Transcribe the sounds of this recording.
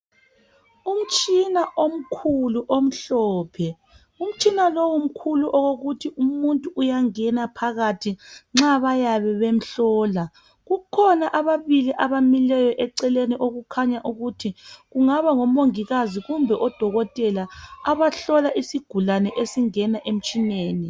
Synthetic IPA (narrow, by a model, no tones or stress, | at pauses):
um̩t͡ʃʼinaʔom̩kʰuluʔom̩ɬɔːpʰɛ | um̩t͡ʃʼinalowum̩kʰuluʔɔɣoɣutʰiʔumuntʼuʔujaŋɛnapʰaɣatʰiŋ͡ǁaβajaβɛβem̩ɬɔːla | ɣukʰɔnaʔaβaβiliʔaβamilɛjɔʔɛǀɛleniʔoɣukʰaɲaʔuɣutʰiɣuŋaβaŋɔmoŋiɣaziɣumbʱɛʔɔd̥ʱɔɣɔtʼɛlaːβaɬɔlaʔisiɡ̥ʱulanɛʔesiŋɛnaʔem̩t͡ʃʼineːni